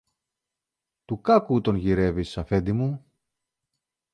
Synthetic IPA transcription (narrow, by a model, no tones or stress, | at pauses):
t̪ukɐkut̪o̞nʝiɾe̞visɐfe̞nd̪imu